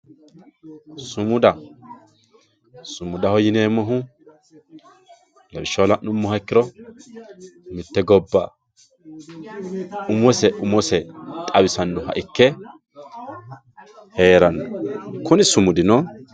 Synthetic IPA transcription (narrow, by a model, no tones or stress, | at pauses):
sʊmʊd̪ɐ | sʊmʊd̪ɐhɔjɪneːmɔɦʊ | lɐbɪʃːɐlɐnʊmːɔhɐkːɪɾɔ | mɪt̪ːɛɡɔbːɐ | ʊmɔsɛʔʊmɔsɛt̪ʼɐwɪsɐnd̪ʊɦɐ̰ʔɪkːɛ | heːɾɐnːɔkʊnɪsʊmʊd̪ɪnɔ